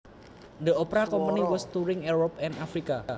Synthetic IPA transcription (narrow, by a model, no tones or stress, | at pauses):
d̪əopɾakɔmpəniwɔst̪uɾɪŋuɾɔpɛnafɾikaa